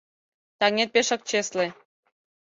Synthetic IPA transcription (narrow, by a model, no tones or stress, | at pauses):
t̪ɑnʲet̪̚peʃɑ̆k̚t͡ɕesle